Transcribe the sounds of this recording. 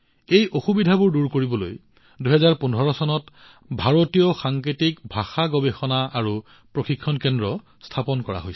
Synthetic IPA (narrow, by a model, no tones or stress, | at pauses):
ejʔoxubidʱabʊɹduɹkoɹibɔlo̰j | duɦɛzaɹpunʱɔɹɔsɔnɔt | bʱaɹotijɔxaŋkitikbʱaxaɡɔbexɔnaaɹu | pɹoxikʰːɔnkɛndɹɔ | stʰapɔnkɔɹa̰ɦojs